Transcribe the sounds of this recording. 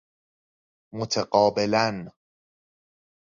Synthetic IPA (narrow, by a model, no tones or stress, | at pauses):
mot̪ʰeɢɒːbelæn